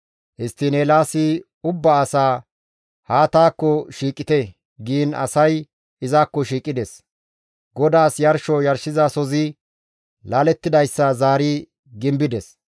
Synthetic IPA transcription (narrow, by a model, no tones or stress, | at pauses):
ʔɪst̪ːɪneːlaːsɪ | ʊbːɐːsaː | haːt̪aːkːɔʃiːkʼːɪt̪ɛ | ɡiːnɐ̰sɐj | ɪzaːkːɔʃiːkʼɪd̪ɛs | ɡɔd̪aːsjɐɾʃɔjɐɾʃɪzɐsɔzɪ | laːlɛt̪ːɪd̪ɐjsːɐzaːɾi | ɡɪmbɪd̪ɛs